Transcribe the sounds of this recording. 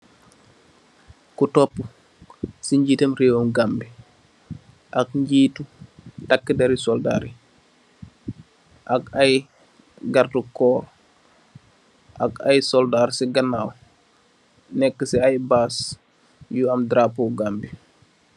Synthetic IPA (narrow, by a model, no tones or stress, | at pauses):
kutɔpːu | siɲɟitɐmɾewomɡambi | ʔakɲɟiːtutakːədɐɾisɔlda̰ɾi | ʔakaj | ɡardukɔːɾ | ʔa̰kajsɔldaɾsiɡɐnaːw | nɛkːəsiajbaːs | juɐmdɾapuɡaːmbi